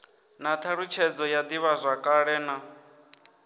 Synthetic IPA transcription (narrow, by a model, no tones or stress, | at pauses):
nat̪ʰaɺut͡ʃʰɛd͡zɔjad̪iβazʷakʼaɺɛna